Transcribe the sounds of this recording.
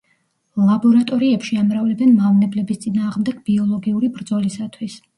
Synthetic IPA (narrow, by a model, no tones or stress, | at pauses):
lˠabɔɾat̪ʼɔɾiɛpʃiamɾavlɛbɛnmavnɛblɛbist̪sʼinaːʁmd̪ɛɡ̥b̥iɔlˠɔɡiuɾibɾd̪zɔlisat̪ʰwis